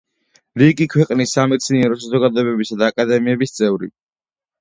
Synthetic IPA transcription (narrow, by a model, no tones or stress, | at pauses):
ɾiɡikʰwɛqʼnisːamɛt̪sʰniɛɾɔsazɔɡad̪ɔɛbɛbisad̪aːkʼad̪ɛmiɛbist̪sʼɛvɾḭ